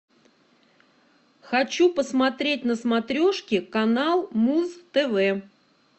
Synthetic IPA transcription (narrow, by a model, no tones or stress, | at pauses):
xɐt͡ɕupəsmɐt̪ɾʲet̚ʲnəsmat̪ɾʲoʂkʲɪkɐnalˠmuzt̪ɛvɛ